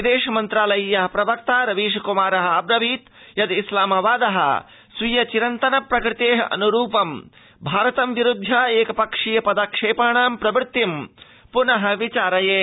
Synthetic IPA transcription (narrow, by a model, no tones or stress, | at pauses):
ʋid̪eːʂɐmɐnt̪ɾaːlɐjijɐɦɐpɾɐʋɐk̚t̪aːɾɐʋiːʂɐkumaːɾɐɦɐ̆ɐbɾɐʋiːt̪jɐd̪islaːmɐʋaːd̪ɐɦɐ̰ | sʋijɐt͡ʃiɾɐnt̪ɐnɐpɾɐkɾɪt̪eːɦɐ̰ʔɐ̰nuɾuːpɐm | bʱaːɾɐt̪ɐmʋiɾud̪ʱːjaːeːkɐpɐkʂijɐpɐd̪ɐkʂeːpaːɳaːmpɾɐbɾt̪ːim | punɐɦɐ̆ʋit͡ʃaːɾɐjeː